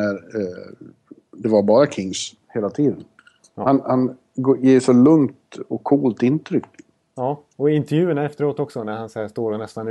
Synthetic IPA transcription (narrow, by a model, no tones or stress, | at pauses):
æɾ | d̪ɛvaɾbɑːɾakʰɪŋs | heːlat̪ʰiːd̪ən | hanhan | ɡjeːʂɔlɵŋt̪ɔkʰːuːlt̪ɪnt̪ʰɾʏkː | ɑː | ɔɪnt̪ɛɾjʉ̟ːəɳaɛft̪əɾoːt̪ɔksɔnæɾhanshæʂst̪oːɾɔnɛst̪an